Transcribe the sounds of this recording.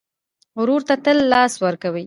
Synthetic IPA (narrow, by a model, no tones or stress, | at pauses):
ʊɾuɾt̪at̪əlːɑswəɾkawəj